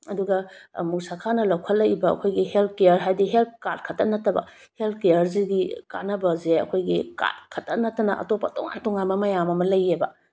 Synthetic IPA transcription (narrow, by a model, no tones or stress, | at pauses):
ɐduɡɐmusakʰanɐlɐwkʰɐlɐjbɐɐ̰kʰojɡihelt̚kejɐɾɦajdiɦelt̚kat̚kʰɐtːɐnɐtːɐbɐ̰ | helt̚kejɐɾziɡika̰nɐbɐzeɐ̰kʰojɡika̰t̚kʰɐtːɐnɐtːɐnɐʔɐ̰topːɐtɔŋa̰ntɔŋanmɐmɐjamɐmɐlɐjːebɐ